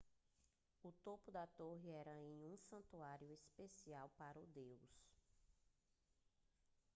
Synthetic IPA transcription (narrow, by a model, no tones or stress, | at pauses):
ʊt̪opʊd̪ɐt̪oɦɪɛɾɐẽj̃ũsɐ̃nt̪uaɾjʊespesiawpaɾɐʊd̪ews